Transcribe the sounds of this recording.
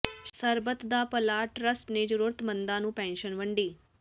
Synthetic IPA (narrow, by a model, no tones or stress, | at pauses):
səɾbət̪d̪aːpəlaːʈɾəsʈned͡ʒəɾuɾət̪mə̃nd̪ãːnũːpɛ̃ːnʃənʋə̃ɳɖiː